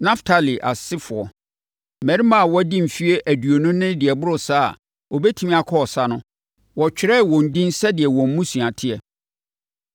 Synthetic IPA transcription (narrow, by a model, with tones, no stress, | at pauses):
nã˦ftʰa˨li˨ʔa̰˨sɪ˦fʊ˨ɔ˨ | mæ˨ɾi˦mã˦˨wɔ˦dĩ˦m̩˨fi˦e˦ʔæ˨du˨o˨nʊ̃˦nɪ̃˦dɪ˨ɛ˨bʊ˦ɾʊ˨saː˦a̰˨ | o˨bɛ˦tʰĩ˦mĩ˦a˨kʰɔ˦ɔ˨sa˦nʊ̃˦ | wɔ˨t͡ɕᶣɪ˨ɾɛ˦˨wɔ̃˨n̩˨dĩ˦n˦sɛ˦dɪ˨ɛ˨wɔ̃˨m̩˦mũ˦sũ˨a˨tʰɪ˦ɛ˨